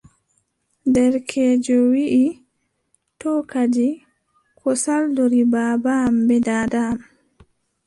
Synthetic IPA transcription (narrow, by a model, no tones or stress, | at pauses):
ndɛɾkʰɛːd͡ʒɔwiʔi | tɔkad͡ʒi | kʰɔsaldoɾibaːbambɛdaːdam